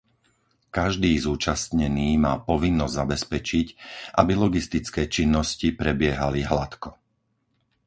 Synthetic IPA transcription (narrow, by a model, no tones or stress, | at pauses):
kaʒd̪iːzuːt͡ʃast̪ɲɛniːmaːpɔʋinːɔzzabɛspɛt͡ʃicʔabilɔɡist̪it͡skɛːt͡ʃinːɔscipɾɛbɪɛɦaliɦlat̪kɔ